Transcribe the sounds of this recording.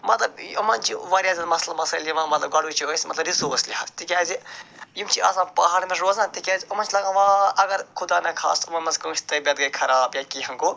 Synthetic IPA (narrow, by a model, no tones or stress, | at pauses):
mɐt̪lɐbɐ̰mɐnt͡ʃiʋaːɾjaːzʲɐnmɐslɐmɐsɐlimãːmɐt̪lɐbɡɐɽut͡ʃʰiosʲmɐt̪lɐbɾisoːslʲiat̪ikʲaːzijimt͡ʃiɐ̰sãːpɐɦaːɽmesɾoːzãːt̪ikʲaːzʲiɐmɐnt͡ʃʰlɐɡãːʋaːɐɡɐɾkʰud̪aːnɐkʰa̰ːsɐmɐnmɐskɐsʰʲt̪ɐbʲɐd̪ɡɐkʰɐɾaːbjakihɐŋkoː